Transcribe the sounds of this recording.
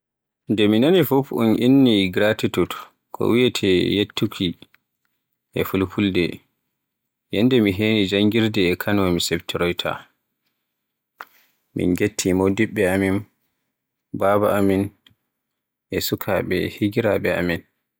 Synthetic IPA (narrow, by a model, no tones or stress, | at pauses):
ndɛminanifufunʔinːiɡɾatitut | kʰɔ̰wijɛtʰɛjetʰːukʰi | ʔɛ̰fulpuldɛ̰ | jɛndɛmiɦenid͡ʒaŋɡiɾdɛːkʰanwamisɛbtʰiɾɔjtʰa̰ | mḭnɡetʰːimodiɓːɛamin | babaamin | ʔɛsukʰa̰ɓɛ̰hiɡiɾaɓɛa̰min